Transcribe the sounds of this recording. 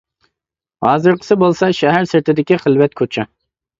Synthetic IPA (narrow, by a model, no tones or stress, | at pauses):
hɑːzɨɾqʰə̥sɪbolˠsɑʃɛɦæɾsɪɾt̪ʰɪd̪ɪkʲiχəlwɛt̪̚kʰot͡ʃʰɛ